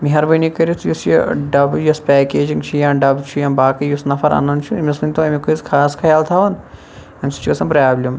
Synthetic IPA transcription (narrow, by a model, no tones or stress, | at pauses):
miɦɐɾbɐnikɐɾit̪ʰjusjɐ̰ɖɐbjɐspɛːkeːd͡ʒiŋɡt͡ʃʰujãːɖɐbt͡ʃʰujãːmbaːkɐjusnɐfʰɐɾa̰nɐnt͡ʃʰumʲɐsinʲt̪oːɐmikuzkʰaːskʰɐjaːlt̪ʰaːʋɐn | ɐmsi̥t͡ʃʰuɐsɐnpɾaːblʲɐm